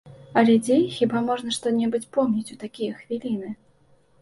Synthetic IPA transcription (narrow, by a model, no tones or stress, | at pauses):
ɐlʲɛd͡zʲejxʲibamɔʐn̪ɐʂt̪ɔnʲɛbɨt͡sʲpɔmnʲit͡sʲut̪akʲijɛxvʲilʲinɨ